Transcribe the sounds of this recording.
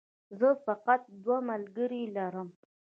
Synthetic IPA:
zəfaqat̪̚d̪wamalɡəɾilaɾəm

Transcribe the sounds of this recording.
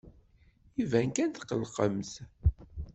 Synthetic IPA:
ivæŋkænt̪qːəlqəmθ

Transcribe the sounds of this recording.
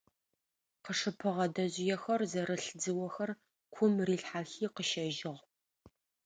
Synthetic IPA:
qəʂɨpʰɨʁɐdɐʑɪjɛxɐrzɐɾɨɬd͡zɨwɐxɐr | kʷʰʊmriːɬħaːxiːqəʃɐʒɪʁ

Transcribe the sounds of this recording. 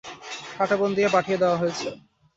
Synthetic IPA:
kʰaʈabond̪ijepaʈʰijed̪eoaɦojet͡ɕʰe

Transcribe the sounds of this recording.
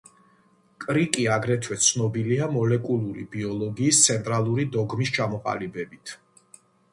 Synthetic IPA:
kʼɾikʼiaɡɾɛt̪ʰwɛt̪sʰnɔbiliamɔlɛkʼulˠuɾḭbiɔlˠɔɡiːst̪sʰɛnt̪ʼɾalˠuɾid̪ɔɡmist͡ʃʰamɔqʼa̰libɛbit̪ʰ

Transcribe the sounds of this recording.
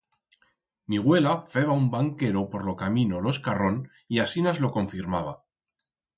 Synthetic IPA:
miɣ̞we̞lafe̞β̞aumbaŋke̞ɾo̞po̞ɾlo̞kamĩno̞lo̞skaro̞n | iasinazlo̞ko̞ɱfiɾmaβ̞a

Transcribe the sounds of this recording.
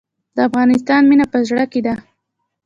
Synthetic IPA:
d̪̥əafɣɑnɪs̬t̪ɑnminapəzɽəked̪a

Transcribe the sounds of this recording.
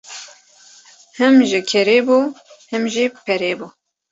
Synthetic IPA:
hɨmʒɪkʲʰɛɾeːbuhɨmʒipʰɛɾeːbu

